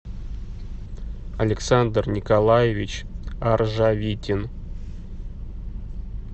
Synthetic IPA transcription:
ɐ̰lʲɪksand̪rnʲikalˠajevʲit͡ɕarʐavʲitʲɪn

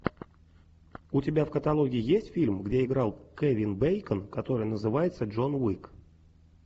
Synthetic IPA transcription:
ʊtʲɪbʲafkət̪ɐlˠo̞ɡʲɪɪjesʲtʲfʲilʲmɡdʲe̞ɪɡɾɑlˠkevʲɪnbejkənkɐt̪o̞ɾɨjnəzɨvajɪt̪səʐo̞nwik

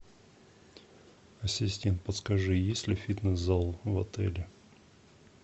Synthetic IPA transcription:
ɐsʲɪsʲtʲent̪̚pət̪skɐʐɨjesʲlʲɪfʲit̪nɨszalˠvɐt̪ɛlʲɪ

